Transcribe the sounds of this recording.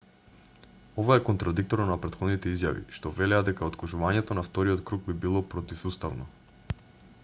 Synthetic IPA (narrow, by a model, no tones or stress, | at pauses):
ovaɛkɔnt̪ɾad̪ik̚t̪ɔɾnapɾɛt̪xod̪nit̪ɛizjavḭʃt̪ɔvɛlɛad̪ɛkaot̪kˠuʒuvaɲɛt̪ɔnaft̪ɔɾiɔt̪kɾuɡ̚bibilˠɔpɾɔt̪ifsust̪avnɔ